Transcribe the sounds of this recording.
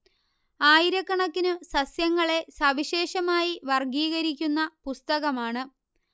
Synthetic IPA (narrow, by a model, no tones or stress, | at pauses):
aːjiɾɐkːɐɳɐkːinɨsɐsjɐŋːɐɭe̞sɐʋiɕe̞ːɕɐmaːjiʋɐrɡiːɣɐɾik̬ʲːunːɐpust̪ɐɣɐmaːɳɨ